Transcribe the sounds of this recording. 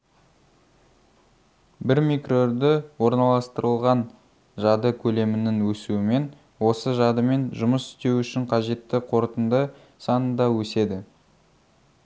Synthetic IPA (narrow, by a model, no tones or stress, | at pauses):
bɪɾmikro̞ɾd̪ɪwo̞ɾnɑlˠɑst̪əɾəlˠʁɑn | ʒɑd̪əkʲʰɵle̞mɪnɪŋwɵsuɪme̞n | wo̞səʒɑd̪əme̞nʒʊməsɪ̥st̪e̞wʏʃɪɴqʰɑʒe̞t̪ːɪqʰo̞ɾt̪ənd̪ə | sɑnənd̪ɑwɵse̞d̪ɪ